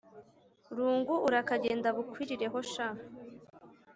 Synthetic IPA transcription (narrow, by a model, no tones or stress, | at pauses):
ɾuːŋɡuʔuɾakaɟeːndaβukwiːɾiɾe̞ɦo̞ʃah